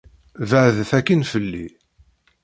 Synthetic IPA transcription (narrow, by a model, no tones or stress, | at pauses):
vəʕðθækːənfəlːi